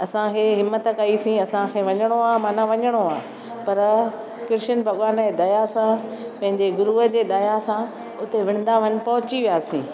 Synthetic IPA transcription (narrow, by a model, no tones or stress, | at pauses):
ɐsãkʰeːɦɪmːət̪̆kɐisĩɐsãkʰeːʋɐɲəɽ̃oaːmaːnãʋɐɲəɽ̃oaː | pɐɾ | kɪɾʃənbʱɐɠwaːned̪ɐjasã | pɐ̃ɦɪ̃ɲd͡ʑeɡʊɾuːɦəd͡ʑeːd̪ajasã | ʊt̪eʋɪ̃ɽ̃nd̪aʋ̤ɐn̆pɐɦʊt͡ɕiʋijaːsḭ̃ː